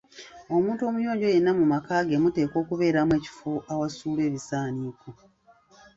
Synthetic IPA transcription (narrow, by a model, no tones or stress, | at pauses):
o̞muːntuo̞mujo̞ːɲɟo̞je̞nːamumakaːɡe̞mute̞ːko̞ːkuβe̞ːɾamwe̞ːci̥foʔawasuːlwe̞ːβisaːniːko